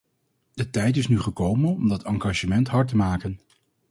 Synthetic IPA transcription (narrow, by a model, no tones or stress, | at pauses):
d̥ətɛjt̬ɪsnyχəkowmənɔmdɑtɑŋɡaːʒəmɛntɦɑɹtəmaːkən